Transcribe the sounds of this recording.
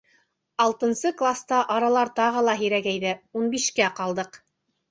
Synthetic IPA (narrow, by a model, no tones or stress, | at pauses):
ɑlˠt̪ɤ̆nsɤklˠast̪ɑʔɑɾɑlˠɑɾt̪ɑʁɤlˠɑɦiɾæɡæjðæunbiʃkæqɑlˠd̪ɤq